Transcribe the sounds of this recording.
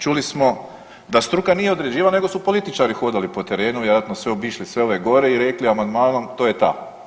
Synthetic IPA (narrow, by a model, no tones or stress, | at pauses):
t͡ʃulismo̞ | d̪ast̪ɾukanije̞o̞d̪ɾed͡ʑiːʋane̞ɡo̞supo̞lit̪it͡ʃaɾixo̞d̪alipo̞t̪e̞ɾe̞ːnuʋjeɾat̪nosʋeobiʃlisʋe̞o̞ʋe̞ɡo̞ɾe̞iɾe̞kliamand̪maːno̞mt̪oːje̞t̪a̰ː